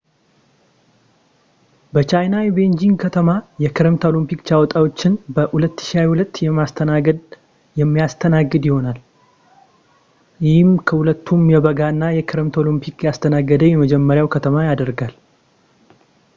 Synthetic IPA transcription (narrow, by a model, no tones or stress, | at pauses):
bət͡ʃʰajnajɛbe̞nd͡ʒiŋɡkʰət̪ʰəmajɛkʰɨɾəmt̪ʰolimpikt͡ʃawɔt̪ʼawo̞t͡ʃːɪnbəhulət̪ːɨ̥ʃiajhulət̪ːjɛmast̪ʰənaɡəd̪ | jɛmːijast̪ʰənaɡːɨd̪jɪho̞nal | jɪhɪmkʰəhulət̪ʰːumjɛβəɡanːajɛkʰɨɾmt̪ʰolimpʰikjast̪ʰənaɡːəd̪əjɛməd͡ʒɛmːəɾjawkʰət̪ʰəmajad̪əɾɡal